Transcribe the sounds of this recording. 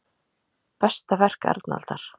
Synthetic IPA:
pɛst̪avɛr̥kɛ̰ɾt̪na̰lt̪aɾ̥

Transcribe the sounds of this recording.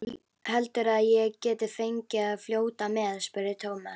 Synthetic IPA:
hɛlt̪ʏɾaðjɛɣcɛːt̪ɪfejɲcɪaðfljoːwt̪amɛðspʏɾɪt̪ʰoːwma

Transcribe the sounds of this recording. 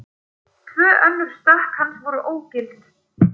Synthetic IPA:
t̪ʰvœːʔœnːʏɾ̥st̪ahkhansvɔɾʏʔoːwcɪlt̪

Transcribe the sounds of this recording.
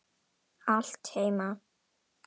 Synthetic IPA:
aɬt̪hejma

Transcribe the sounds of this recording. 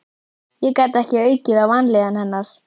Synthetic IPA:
jɛkaːt̪ɛhcɪœːɥcɪðawvanlɛɣanhɛnːaɾ̥

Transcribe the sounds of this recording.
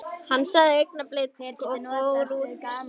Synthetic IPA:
hanːsɛðɪek̚naplɪt̪̚kɔkoɾuːt

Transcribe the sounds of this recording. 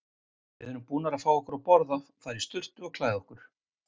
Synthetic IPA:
ɪ̰ðʏːʏmpuːnaɾaðfaːwɔhkʏɾawpɔɾðaθaɾist̪ʏr̥t̪ʏɔɣkʰlaːjðɔhkʏɾ̥

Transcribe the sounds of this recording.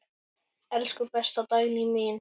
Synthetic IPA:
ɛlskɵpɛst̪at̪ɑjlimɪːn

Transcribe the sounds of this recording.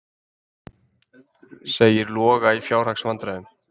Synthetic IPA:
seːjɪɾlɔːɣaifjaːwɾr̥aksvant̪ɾaʏm

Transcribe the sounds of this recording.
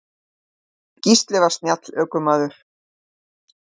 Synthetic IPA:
cist̪lɛvast̪njat̪lœːkʏmaːðʏɾ̥

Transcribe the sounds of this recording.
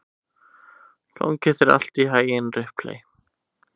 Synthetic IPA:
l̥ɔ̰wŋkɪθɛɾa̰l̥t̪iɦaːjɪnrɪhplḛj

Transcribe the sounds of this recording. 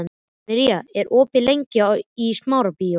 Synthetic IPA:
n | mɛɾiaɛɾʔɔːpɪlejɲcɪismaːwɾapi

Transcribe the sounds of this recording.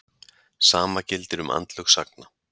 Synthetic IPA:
saːmacɪlt̪ɪɾʏma̰nt̪lʏxsak̚na

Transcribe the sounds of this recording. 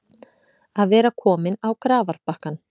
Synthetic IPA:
aðvɛːɾakʰɔːmɪnawkɾaːvaɾ̥pahkan

